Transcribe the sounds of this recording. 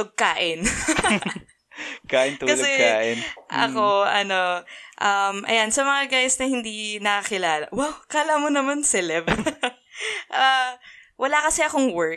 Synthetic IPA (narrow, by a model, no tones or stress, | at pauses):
oɡ̚kaːʔɪn | kaːʔɪnt̪ukɐlsɛkaːʔɪnʔɐ̰ko̞ʔɐno̞ʔɐmʔɐ̰jansɐmɐŋaɡajsnɐhɪnd̪inɐkɐkɪlaːlɐ̰wawkaːlamonɐmansɛlɛb | ʔɐwʔɐlakɐsɛʔɐkoŋwɛɹ̚